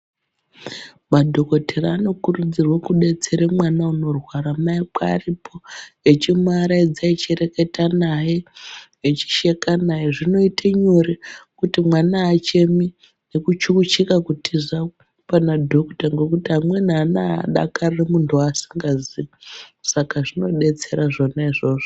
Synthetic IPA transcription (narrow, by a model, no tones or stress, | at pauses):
madʱo̞ko̞tʰeraːno̞kurud͡zirwokuɗe̞t͡se̞ɾemwanauno̞rwaɾamaik͡paːripʰo̞et͡ʃimaɾaid͡zait͡ʃere̞ke̞tanaje | et͡ʃi̥ʃe̞kanajeʐino̞itaɲoɾekutimwanaːt͡ʃe̞mi | ne̞kut͡ʃukut͡ʃikakutʰiza | panadʱokutaŋɡo̞kutiɦamwe̞nanaɗa̰karremuntʰuasi̥ŋɡaziasakaʐino̞ɗe̞t͡se̞ɾaʐo̞naiʐo̞ːʐo